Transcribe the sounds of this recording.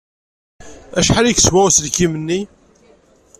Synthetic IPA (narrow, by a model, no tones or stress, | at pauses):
æʃħalikswæsəðkimənːi